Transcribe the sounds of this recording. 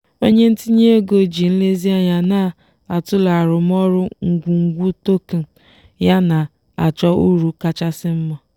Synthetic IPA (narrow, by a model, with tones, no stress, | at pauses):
o˦ɲe˦n̩˦ti˦ɲe˦e˦ɡo˨d͡ʒi˨n̩˦le˦zi˦a˦ɲa˨na˦˨ | a˨tʊ˦la˨ɾʊ˨m˦ɔ˦ɾʊ˦ŋ̩˨ɡʷu˨ŋ̩˨ɡʷu˦to˦ke˨ | ja˦na˨ | a˨t͡ʃɔ˦u˦ɾu˨ka˦t͡ʃa˦sɪ˦m̩˦ma˦